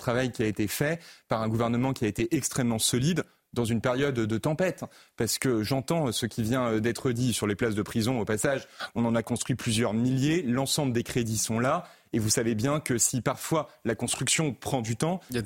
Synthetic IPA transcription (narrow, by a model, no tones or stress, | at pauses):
t̪χavajkʲiaet̪efɛpaʁɛ̃ɡuvɛʁnəmɑ̃kʲiaet̪eʔɛkst̪χɛmːɑ̃sɔlid̪ | d̪ɑ̃zynpeʁjɔd̪ːət̪ɑ̃pɛt̪paʁsə̥kəʒɑ̃t̪ɑ̃səkʲivjɛ̃d̪ɛt̪χəd̪isyʁleplasd̪əpχizɔ̃opasaʒɔ̃nɑ̃nakɔ̃st̪χɥiplyzjœʁmiljelɑ̃sɑ̃bləd̪ekχed̪isɔ̃la | evusavebjɛ̃kəsipaʁfwalakɔ̃st̪χyksjɔ̃pχɑ̃d̪yt̪ɑ̃